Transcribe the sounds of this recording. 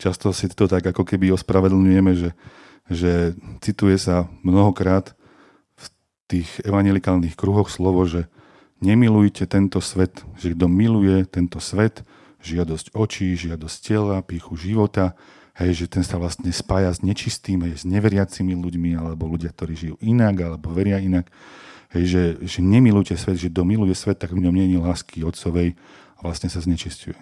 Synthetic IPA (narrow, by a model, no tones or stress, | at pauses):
t͡ʃast̪ɔsit̪ɔt̪aɡakɔkɛbiɔspɾaʋɛd̪l̩ɲujɛmɛʒɛ | ʒɛt͡sit̪ujɛsamnɔɦɔkɾaːt̪ | f | t̪iːɣɛʋaɲjɛlikaːlnixkɾuɦɔxslɔʋɔʒɛ | ɲɛmilujcɛt̪ɛnt̪ɔsʋɛt̪ʒ̥ɛɡd̪ɔmilujɛt̪ɛnt̪ɔsʋɛt̪ | ʒɪad̪ɔsɟɔt͡ʃiʒɪad̪ɔsccɛlapiːxuʒiʋɔt̪a | hɛjʒɛt̪ɛnsaʋlast̪ɲɛspaːjazɲɛt͡ʃist̪iːmɦɛjzɲɛʋɛɾɪat͡similuɟmialɛbɔluɟɪak̚t̪ɔɾiːʒijuʔinaɡalɛbɔʋɛɾɪainakɦɛjʒɛʒɛɲɛmilujcɛsʋɛd̪ʒɛɡ̚d̪ɔmilujɛsʋɛt̪ːaɡvɲɔmɲɛɲilaːskʰiɔt̪sɔʋɛj | aʋlast̪ɲɛsazɲɛt͡ʃiscujɛ